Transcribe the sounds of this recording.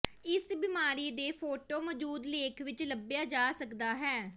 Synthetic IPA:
ɪsbɪmaːɾiːd̪eːpʰoːʈoːməd͡ʒuːd̪leːkʰʋɪt͡ʃləbjaːd͡ʒaːsəkd̪aːɦɛː

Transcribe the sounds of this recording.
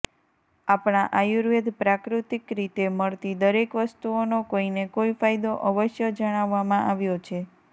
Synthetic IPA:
apɽɳ̃aʔajuɾʋed̪pɾakɾut̪ikɾit̪eməɭt̪id̪əɾekʋəst̪uonokoinekoifajd̪oʔəʋəʃjəd͡ʒəɽ̃aʋːamãʔaʋjot͡ʃʰe

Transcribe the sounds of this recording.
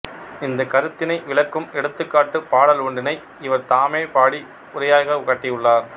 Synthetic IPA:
ɪnd̪ɐkɐɾɯt̪ːɪnɐɪʋɪɭɐkːɯmɛɽɯt̪ːɯkːaːʈːɯpaːɽɐluɳɖɪnɐɪ | ɪʋɐɾt̪aːmeːpaːɽi | ʊɾɐjaːɣɐʊɣɐʈːijɯɭːaːɾ

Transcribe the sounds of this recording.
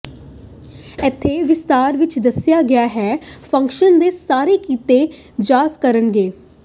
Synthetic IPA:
ɛt̪ʰːeːʋɪst̪aːɾʋɪt͡ʃd̪əsɪjaːɡɪjaːɦɛːpʰə̃ŋkʃənd̪eːsaːɾeːkiːt̪eː | d͡ʒaːzkəɾənɡeː

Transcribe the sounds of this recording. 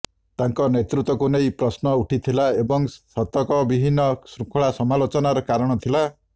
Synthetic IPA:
t̪aŋkɔnet̪ɾut̪wɔkunejpɾɔsnɔuʈʰit̪ʰilaebɔŋsɔt̪ːɔkɔbibʱinːɔsɾukʰɔɭasɔmalot͡ʃɔnaɾɔkaɾɔɽ̃ɔt̪ʰila

